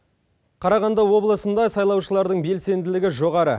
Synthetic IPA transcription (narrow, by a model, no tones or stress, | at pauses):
qʰɑɾɑʁɑnd̪ɑwo̞blˠəsənd̪ɑsɑjlˠɑwʃəlˠɑɾd̪əɴbe̞lse̞nd̪ɪlɪɡʲɪʒo̞ʁɑɾə